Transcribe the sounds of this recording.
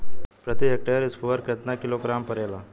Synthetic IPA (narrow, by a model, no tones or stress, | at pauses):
pɾət̪iek̚ʈejəɾiskuʋəɾkət̪nakiloɡɾampəɾɛla